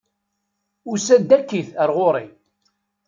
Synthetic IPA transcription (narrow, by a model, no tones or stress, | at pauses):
ʊsæd̪ːækːiθəɾʁoɾˤi